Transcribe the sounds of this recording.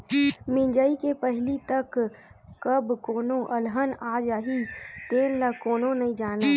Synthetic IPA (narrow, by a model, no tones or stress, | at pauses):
mɪ̃ɲd͡ʒaːikepəɦɪlit̪ɐkkɐbkoːnõʔɐlɦənaːd͡ʒaːɦit̪eːnlɐkoːnõnɐĩd͡ʒaːnaː